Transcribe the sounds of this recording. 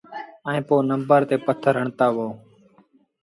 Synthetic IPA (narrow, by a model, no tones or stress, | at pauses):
əẽːpoːnəmbəɾt̪eːpət̪ʰːəɾɦəɳt̪aːʋoː